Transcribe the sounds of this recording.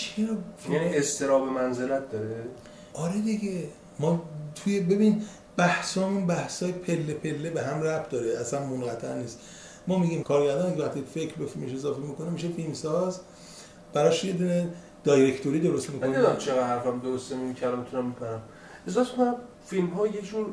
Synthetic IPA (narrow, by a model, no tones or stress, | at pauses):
t͡ʃʰeɾɒænest̪ʰe̞ɾɒːbemænzelæt̪̚d̪ɒɾe | ʔɒɾed̪iɟe | mɒːt̪ʰujebe̞binid | bæhsɒːmunbæhsɒːjepʰelːepʰe̞lːebeɦæmræbd̪ɒːɾeæsænmonɡæt̪ʰæʔniːst̪ | mɒːmiɟiːmkʰɒːɾɟæɾd̪ɒːnikʰʲeæχt̪ʰifekʰɾbefilme̞ʃe̞zɒːfemiko̞nemiːʃe̞filmsɒːz | b̥æɾɒʃje̞d̪une | d̪̥ɒjɾe̞kʰt̪ʰoɾiːd̪oɾo̞st̪mikonæzt͡ʃʰeɣæd̪hæɾfæmd̪oɾost̪emeicʰælɒːmit̪ʰunæmbepʰæɾæm | ezɒfeekonæm | filmɦɒːjed͡ʒun